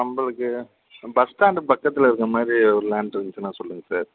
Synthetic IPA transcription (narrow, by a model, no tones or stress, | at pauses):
nɐmbɐɭɯkːɯ | bɐst̪aːnɖɯpɐkːɐt̪ːɪlɐɪɾɯkːɐmaːd̪ɾiɔɾɯlaːɳɖɾɐnt͡ʃɯnãːsɔlːɯŋɡɐsaːɾ